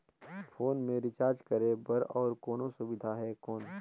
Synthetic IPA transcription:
fʰoːnmẽɾɪt͡ʃaːɾd͡ʒkɐɾẽbɐɾɔːɾkoːnõsʊbɪd̪ʱaɦɛkɔːn

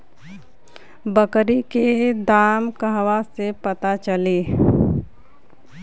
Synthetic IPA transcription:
bəkɾiked̪aːmkəɦwasepət̪at͡ʃəliː

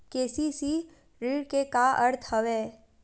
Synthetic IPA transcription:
keːsisi | ɾiːɽkekaʔəɾt̪ʰhəʋeː

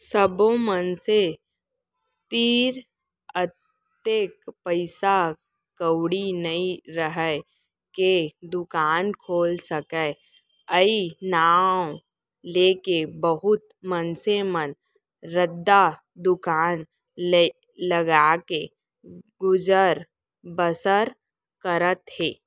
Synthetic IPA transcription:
səbõmənse | t̪iːɾ | ət | eːkpəɪsa | kəwɽinəĩɾəɦɛ | ked̪ʊkaːnkʰoːlsəkə | əinaːw | leːkebəɦʊt̪̚ | mənsemən | ɾəd̪ːa | d̪ʊkaːn | le | ləɡaːke | ɡʊd͡ʒəɾ | bəsəɾ | kəɾət̪ɦeː

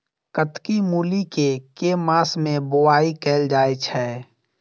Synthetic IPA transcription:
kət̪kimuːlikekeːmaːsmẽbʊaːikeːld͡ʒaːet͡ʃʰɛː

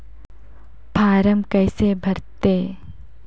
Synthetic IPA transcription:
pʰaːɾəmkɛːsebʱɐɾt̪eː

